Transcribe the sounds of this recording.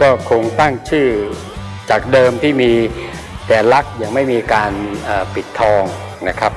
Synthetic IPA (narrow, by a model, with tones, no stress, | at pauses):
kɔː˥˩kʰo˧ŋt̪a˥˩ŋt͡ɕʰɯː˥˩ | t͡ɕaː˨˩k̚dɤː˧mt̪ʰiː˥˩miː˧ | t̪ɛː˨˩la˦˥k̚ja˧ŋma˥˩jmiː˧kaː˧nʔəː˨˩pi˨˩t̪ʰːɔː˧ŋ | na˦˥kʰa˦˥p̚